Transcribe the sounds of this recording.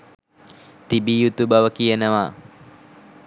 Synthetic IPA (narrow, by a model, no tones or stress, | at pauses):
t̪ibijut̪ubaʋəkijənəʋa